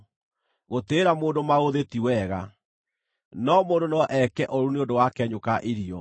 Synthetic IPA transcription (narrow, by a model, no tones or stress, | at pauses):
ɣoteːɾamoːndomaoðetiwɛɣa | nɔmoːndonɔɔʔɛkɛʔɔɾuneondowakɛɲokaʔeɾiɔ